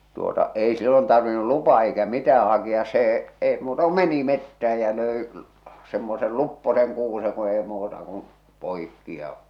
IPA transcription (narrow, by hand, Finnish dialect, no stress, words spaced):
tuotɑ ei silːon tɑrʋinːu lupɑː eikæ mitæː hɑkiɑs seː eˑi muːtɑ ku meni metːæh̞æ jɑ løˑi semːosel lupːoseŋ kuːse ku ei muːtɑ kun̞ poikːi jɑ